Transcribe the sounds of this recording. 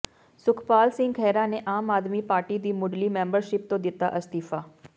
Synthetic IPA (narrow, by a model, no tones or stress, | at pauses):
sʊkʰpaːlsɪ̃ŋɡkʰɛːɾãneʔaːmaːd̪mipaːɾʈid̪iːmʊɖlimẽːmbəɾʃɪp̚t̪õd̪ɪt̪aʔɐst̪iːfaː